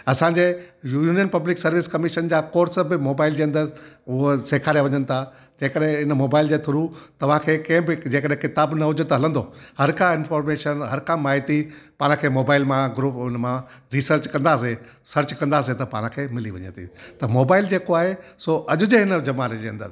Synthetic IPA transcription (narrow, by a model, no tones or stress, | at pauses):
ɐsãːɲd͡ʑeːjuːuːnijənpɐblɪksɐɾʋɪskɐmɪʃənd͡ʑaːkoːɾsəbɪmoːbaːɪld͡ʑeːɐ̃nd̪əɾʊɦseːkʰaːɾijaʋɐɲənɪ̆t̪ʰa | d͡ʑeːkəɗɦɪ̃ɪnəmoːbaːɪld͡ʑeːt̪ʰʊɾut̪ɐʋ̤ãkʰeːkɐ̃ɦɪ̃bɪd͡ʑeːkəɗɦẽkɪt̪aːbnɐɦʊd͡ʑət̪ɦɐlə̃nd̪ohɐɾkãɪ̃nfɔːɾmeːʃənɦɐɾkãmaːɦɪt̪ipãːɽ̃kʰeːmoːbaːɪlmãɡɾuːpnmã | ɾiːsəɾt͡ɕkɐ̃nd̪aːs̬e | sɐɾt͡ɕkɐ̃nd̪aːs̬et̪ɐpãːɽ̃kʰeːmɪliʋɐ̰ɲə̰̃t̪ḭt̪ɐmoːbaːɪld͡ʑeːkoaːɦesoːʔɐʄʊd͡ʑeɦɪnəd͡ʑɐmaːɾed͡ʑeːɐ̃nd̪ə̰ɾ